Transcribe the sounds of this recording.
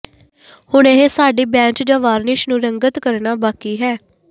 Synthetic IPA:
hʊɳeːɦeːsaːɖiːbɛ̃ːt͡ʃd͡ʒãːʋaːɾnɪʃnũːɾəŋɡət̪kəɾnaːbaːkiːɦɛː

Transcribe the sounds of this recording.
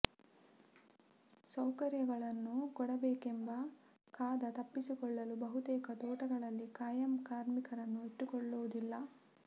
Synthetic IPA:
sɐwkɐɾjɐɡɐɭɐnːukɔɽɐbeːkembɐ | kaːd̪ɐt̪ɐpːisikɔɭːɐlubɐɦut̪ɛːkɐt̪ɔːʈɐɡɐɭɐlːikaːjɐmkaːɾmikɐɾɐnːueʈːukɔɭːuʋud̪ilːɐ

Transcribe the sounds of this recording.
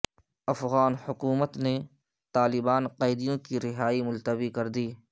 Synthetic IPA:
ɐfɣaːnhʊkuːmət̪ne | t̪aːlɪbaːnqɐːɪd̪ijõkiɾɪɦaːimʊlt̪əbikɐɾd̪iː

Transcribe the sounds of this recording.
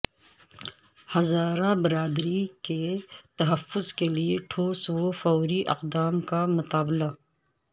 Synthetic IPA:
hɐzaːɾabɪɾaːd̪ɾiket̪ɐɦəfːʊzkelieʈʰoːswofɔːɾiʔɐ̰qd̪aːmkamʊt̪aːbla

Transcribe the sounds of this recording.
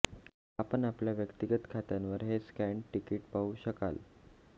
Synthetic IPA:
apəɳapljaʋjəkt̪iɡət̪kʰat̪anʋəɾɦeskæɳʈikiːʈpauːɕəkal

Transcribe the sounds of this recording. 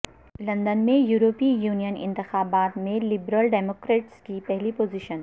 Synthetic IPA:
lɐ̃nd̪ənmẽjuːɾoːpiːjuːnijənɪ̰̃nt̪ɪxaːbaːt̪mẽlɪbɾəlɖɛːmoːkɾeːʈskipɛɦlipoːziʃən

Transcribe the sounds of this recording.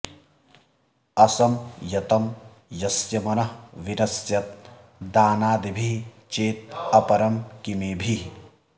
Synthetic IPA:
ɐsɐmjɐt̪ɐm | jɐsjɐmɐnɐɦʋinɐsjɐt̪̚ | d̪aːnaːd̪ibʱi | t͡ʃeːt̪ɐpɐɾɐmkimeːbʱi

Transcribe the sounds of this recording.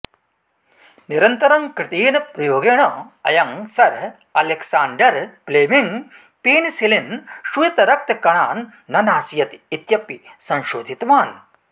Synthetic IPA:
niɾɐnt̪ɐɾɐŋkɾɪt̪iːnɐpɾɐjoːɡeːɳɐɐ̰jɐŋsɐɾ | ɐleksaːɳɖɐɾpleːmiŋ | peːnisilinʃuit̪ɐɾɐk̚t̪ɐkɐɳaːnː | ɐnaːsjɐt̪it̪jɐpːisɐ̃nʃoːd̪ʱit̪ʋaːn

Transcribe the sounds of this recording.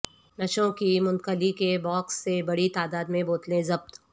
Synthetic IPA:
nɐʃõkimʊ̃nkəlikebɔːksːebɐɽit̪aːd̪aːd̪mẽboːt̪lẽzɐb̚t̪

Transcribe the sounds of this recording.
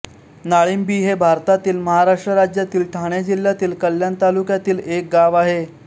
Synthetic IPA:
naɭiːmbiːɦebʱaɾt̪at̪iːlməɦaɾaʂʈɾəɾad͡ʑjat̪iːlʈʰaɳjad͡ʑiljat̪iːlkəljant̪alukjat̪iːlek̚ɡaʋaɦe

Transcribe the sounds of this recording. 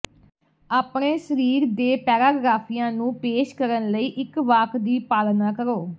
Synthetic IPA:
aːpɳeːsəɾiːɾd̪eːpɛːɾaːɡɾaːpʰiːjãːnũːpeːʃkəɾənləiːʔɪkʋaːkʰd̪iːpaːlnãːkəɾoː

